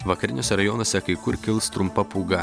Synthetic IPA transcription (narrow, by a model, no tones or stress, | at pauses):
ʋɐkɐɾʲɪnʲoːsʲɛɾɐjɔnoːsʲɛkɐɪkʊɾkʲɪlˠst̪ɾʊmpɐpuːɡɐ